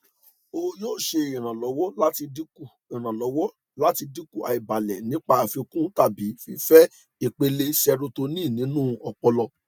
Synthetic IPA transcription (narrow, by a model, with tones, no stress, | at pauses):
o˧joː˦˨ʃe˧ĩ˨ɾ̃ã˨lɔ˨˦wɔ˦la˦ti˧di˦ku˦˨ | i˨ɾ̃ã˨lɔ˨˦wɔ˦ | la˦ti˧di˦ku˦˨a̰˨i˨ba˨lɛ̰˨nĩ˨˦k͡pa˦a˨fĩ˧kũ˦ta˦˨bi˨˦fi˧fɛ˦ | i˨k͡pe˧le˧sɛ˧ɾu˧to˧nĩ˦˨nĩ˨˦nũ˦˧ɔ˧k͡pɔ˧lɔ˧